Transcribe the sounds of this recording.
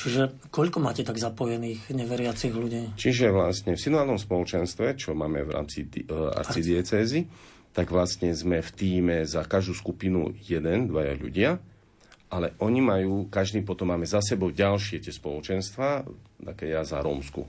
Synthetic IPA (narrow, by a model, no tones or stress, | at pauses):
t͡ʃiʒɛ | kɔʎkɔmaːcɛt̪aɡzapɔjɛniːxɲɛʋɛɾɪat͡siɣluɟiːt͡ʃiʒɛʋlast̪ɲɛfsinuaːlnɔmspɔlɔt͡ʃɛnst̪ʋɛt͡ʃɔmaːmɛ̰ʋɾa̰ːmt͡sia̰ɾt͡sid̪ɪɛt͡sɛːzi | t̪aɡʋlast̪ɲɛzmɛft̪iːmɛzakaʒd̪uːskupinṵjɛd̪ɛnd̪ʋaja̰ʎṵɟɪa | ʔalɛʔɔɲimajuːkaʒd̪iːpɔt̪ɔmːaːmɛzas̬ɛbɔʊɟalʃɪɛt̪ɪɛspɔlɔt͡ʃɛnst̪ʋaːt̪akɛːjaza̰ɾɔ̰ːmskṵ